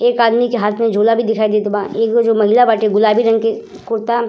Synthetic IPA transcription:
eːkaːd̪mikeɦaːt̪ʰmẽd͡ʒʱoːlabʱid̪ɪkʰaːid̪eːt̪ʊbãːeːkd͡ʒomɐɦɪlabaːʈeɡʊlaːbʱiɾɐ̃ŋɡke | kʊɾt̪a

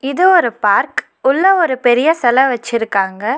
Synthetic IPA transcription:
ɪðɯɔɾɯpaːɾk | ʊɭːɐɔɾɯpɛɾɪjɐsɐlɐʋɐt͡ʃːɪɾɯkːaːŋɡɐ

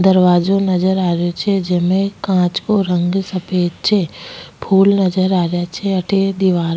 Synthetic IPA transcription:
d̪əɾʋaːd͡ʒonɐd͡ʒəɾaːɾjot͡ʃʰed͡ʒemẽkãːt͡ʃkoɾə̃ŋɡsəpeːd͡ʒt͡ʃʰepʰuːlnəd͡ʒəɾaːɾjat͡ʃʰeɐʈʰed̪iʋaːɾ

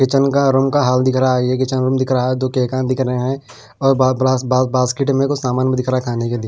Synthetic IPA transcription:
kɪt͡ʃənkaɾʊmkaɦaːld̪ɪkʰɾaajekɪt͡ʃənɾʊmd̪ɪkʰɾaaɛd͡ʒ̪okeːkãːd̪ɪkʰɾəɦeɦɛ̃ | ɔːɾbasbabaːskɪʈmẽkosaːmaːnmẽd̪ɪkʰɾakʰaːneked̪ɪ

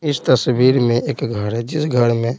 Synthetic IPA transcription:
ɪst̪əsbiːɾmẽʔeːkɡʱəɽɦɛd͡ʒɪsɡʱəɽmẽ

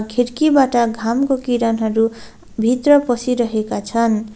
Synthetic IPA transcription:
kʰeɾkibaʈʌɡʱamkokiɾʌnɦʌɾu | bʱit̪rʌpʌsiɾʌɦekat͡sʰʌn

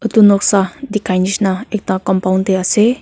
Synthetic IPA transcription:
ət̪unɔk̚sahd̪ikanisnaek̚t̪akɔmpaunt̪ease

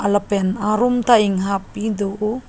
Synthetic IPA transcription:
alapenaɾumt̪aiŋɦapid̪oʔu

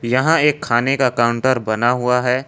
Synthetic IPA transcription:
jɐɦãeːkʰːaːnekaɐkaːʊ̃ɳʈəɾbɐnaɦʊaɦɛː

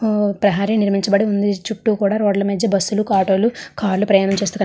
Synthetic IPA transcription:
pɾɐɦaːɾiniɾmiɲt͡ʃɐbɐɽiund̪it͡ʃuʈːuːkuːɽaːɾoːɖlɐmɐd̪ːɐbɐsːulukaːʈo̞ːlukaːɾlupɾɐjaːnɐmt͡ʃe̞ːs̬t̪uːkɐ

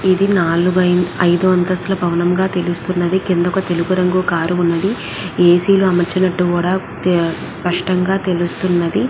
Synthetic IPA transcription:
id̪inaːluɡɐɐjd̪uʋɐnt̪ɐslɐbʱɐʋɐnɐmɡaːt̪e̞lust̪unːɐd̪ikind̪ɔkɐt̪e̞luɡuɾɐŋɡukaːɾuːnːɐd̪i | eːsiːluɐmɐɾt͡ʃinɐʈːukuːɽaː | spɐʂʈɐŋɡaːt̪e̞lust̪unːɐd̪i

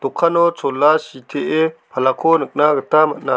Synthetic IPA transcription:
t̪ukʰːanɔt͡sʰolːasit̪ʰeʔepʰalakʰonək̚naɡət̪amɐʔ̚na

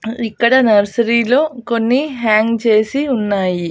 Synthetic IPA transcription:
ikːɐɽɐnɐɾsɐɾiːlo̞ːko̞nːiɦaːŋɡt͡ʃe̞ːsiunːaːji

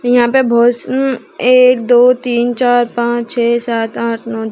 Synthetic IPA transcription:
jɐɦãːpebʱoːʃn | eːk̚d̪oːt̪iːnt͡ʃaːɾpãːt͡ʃt͡ʃʰɛːsaːt̪ãːʈʰnɔː

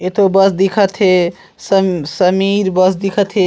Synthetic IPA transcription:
et̪obəsd̪ikʰət̪ʰɦe | səsəmiɾbəsd̪ikʰət̪ʰe

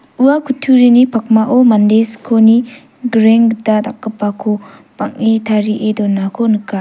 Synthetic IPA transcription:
uakʰutʰuɾinipʰak̚maʔɔmandeskʰoni | ɡɾeŋdatakːapakʰopaŋitʰaɾiʔedɔnakʰonɯka

